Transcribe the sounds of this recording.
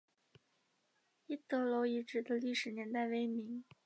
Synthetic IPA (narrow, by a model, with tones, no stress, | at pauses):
i˥˩t̪ɤ˧˥lo˧˥ʊi˧˥ʈ͡ʂɻ̩˥˩d̪ə˧li˥˩ʂɻ̩˨˩njɛ˧˥nt̪a˥˩ɪʋe˥ɪmi˧˥ŋ